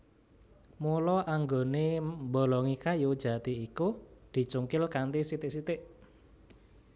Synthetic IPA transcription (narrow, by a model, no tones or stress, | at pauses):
mulɔʔaŋɡonembo̤lɔŋikajud̥ʒ̥ä̤t̪iːkud̪̥i̤t͡ʃuŋkɪlkant̪isit̪ɪʔsit̪ɪʔ